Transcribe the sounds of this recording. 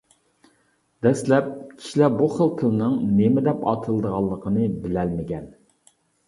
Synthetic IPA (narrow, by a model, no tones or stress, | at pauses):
d̪ɛslɛp̚kʲʰi̥ʃlɛbuχəlˠqʰəlnɨŋnemɪd̪ɛpɑ̰t̪ʰəlˠd̪əʁɑlˠːəqʰənɨbɪlɛlmɪɡʲɛn